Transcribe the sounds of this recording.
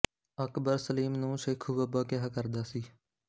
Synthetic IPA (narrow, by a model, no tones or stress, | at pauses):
əkbəɾsəliːmnũːʃɪkʰuːʋəbaːkɪɦaːkəɾd̪aːsiː